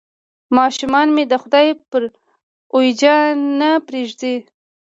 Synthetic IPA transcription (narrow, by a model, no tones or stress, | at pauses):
mɑʃumɑnmed̪əxʊd̪ɑjpəɾ | ojd͡ʒɑnapɾeʒd̪i